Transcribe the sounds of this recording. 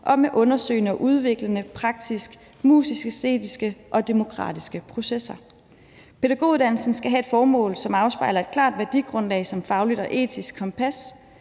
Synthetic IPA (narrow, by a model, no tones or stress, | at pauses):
ʔɒ̽meʔɔ̽nɐsø̰ːɪnəɒ̽ʔuð̞ˠʋe̝ɡ̥lənəpʰʁɑ̈ɡ̥̚d̥ʰisɡ̥ | mṵːsisɡ̥əsd̥ḛːd̥isɡ̥əʔɒ̽d̥e̝mo̝kʰʁɑ̰̈ːd̥isɡ̥əpʰʁo̝sesɐ | pʰe̝dæɡ̥o̝̰ːuðˠd̥ænl̩sn̩sɡ̥æɦæe̝d̥fɒːmɔ̰̽ːlsɒ̽mɑ̈ʊsb̥ɑ̈ɪlɐe̝d̥̚kʰlɑ̰̈ːd̥ʋæɐd̥iɡ̥ʁɔ̽nlɛ̰ːsɒ̽mfɑ̈ʊlid̥ɒ̽ʔe̝̰ːt͡sʰisɡ̥kʰːɒ̽mpʰæs